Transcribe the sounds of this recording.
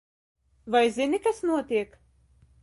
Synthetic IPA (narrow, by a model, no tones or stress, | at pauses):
vajzinikasnuɔt̪iɛk